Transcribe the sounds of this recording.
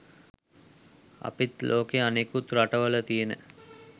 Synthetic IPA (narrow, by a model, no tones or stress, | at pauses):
a̰pit̪lʔoːkeanekut̪ɾaʈəʋələt̪ijenə̰